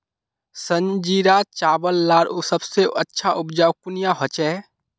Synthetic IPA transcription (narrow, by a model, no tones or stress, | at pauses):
sə̃ɲd͡ʒiːɾat͡ʃaːʋəlːaːɾsəbseɐtːʃʰaʔʊbd͡ʒaːwkʊnijaɦot͡ʃɛː